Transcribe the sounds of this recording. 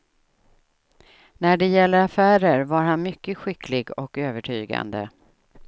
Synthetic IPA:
næɖɛjɛlːəɾafæːɾəɾvaɾhanmʏkːəɧɪkʰlɪɡɔkøːvəʈʰy̰ːɡa̰nd̪ə̰

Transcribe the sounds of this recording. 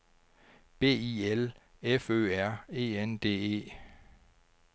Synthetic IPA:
b̥e̝̰ːiːelefø̰ːæɐ̰e̝̰ːend̥e̝̰ːe̝̰ː

